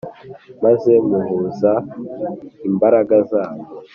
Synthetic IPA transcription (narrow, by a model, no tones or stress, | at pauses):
maze̞muhuːza | imbaɾaɡazaːβo